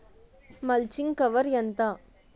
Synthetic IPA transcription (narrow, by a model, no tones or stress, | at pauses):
mɐlt͡ʃɪŋkɐʋɐɾjɐnt̪ãː